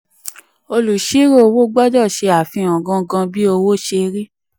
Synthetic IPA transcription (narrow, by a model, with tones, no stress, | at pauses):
o˧lu˨ʃi˦ɾo˦o˧wo˦ɡ͡bɔ˦d͡ʒɔ˦˨ʃe˧a˨fĩ˧ɔ̃˨ɡã˧ɡã˧bi˦o˧wo˦ʃe˧ɾi˦